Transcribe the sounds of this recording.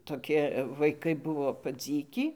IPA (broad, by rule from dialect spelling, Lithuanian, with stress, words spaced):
toːˈkʲɪ ʋɐɪˈkɐɪ ˈbʊʋoː pɐˈd͡zʲiːkʲiː